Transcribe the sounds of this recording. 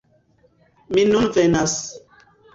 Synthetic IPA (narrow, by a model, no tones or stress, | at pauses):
minunvɛnas